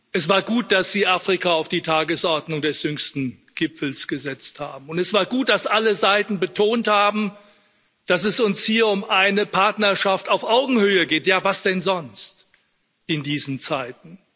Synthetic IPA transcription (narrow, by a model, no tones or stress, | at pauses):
ʔɛsv̥aːɐɡuːt̚d̥asz̥iːʔaːfʁ̥ikaaʊfd̥iːtʰaːɡəsʔɔɐdnʊŋdɛsjʏŋstn̩ | ɡ̥ɪpfl̩sɡ̥əzɛt͡stha̰ːbm̩ʊntɛsv̥aːɐɡuːt̚d̥asʔaləzaɪtn̩bətʰoːnthaːbm̩ | d̥asɛsʊnshiːɐʊmʔaɪnəpʰaɐtnɐɐʃaftaʊfʔaʊɡŋ̩høːəɡeːtjaːvasd̥ɛnzɔnst | ʔɪndiːzn̩t͡saɪtn̩